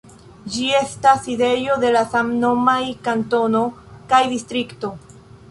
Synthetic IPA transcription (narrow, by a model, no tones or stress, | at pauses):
d͡ʒie̞staside̞jo̞de̞lasamno̞majkanto̞no̞kajdistɾikto̞